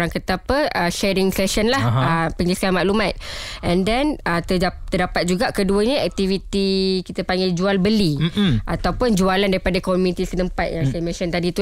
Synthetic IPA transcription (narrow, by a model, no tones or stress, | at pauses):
ɾaŋkət̪apəʔəʃɛɾɪŋsɛsənlahəpəŋɡisamaʔlumãt̪̚ | ʔɛ̃ndɛnət̪at̪ərdapat̪̚d͡ʒuɡaʔkəduəɲəɛk̚t̪ivit̪ikit̪əpaŋɡɛd͡ʒualbəliʔat̪awpʊnd͡ʒualandaɾipadakomũnit̪isənəmpat̪̚jaŋsajəmãsənt̪adit̪u